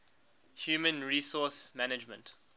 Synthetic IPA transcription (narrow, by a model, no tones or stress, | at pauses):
hjuːmə̃nɹiːsɔsmænɪd͡ʒmə̰̃nt